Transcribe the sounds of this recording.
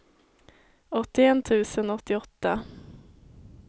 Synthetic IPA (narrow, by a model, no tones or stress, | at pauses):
ɔt̪ːɪɛnt̪ʰʉ̟ːsənɔt̪ːɪɔt̪ːa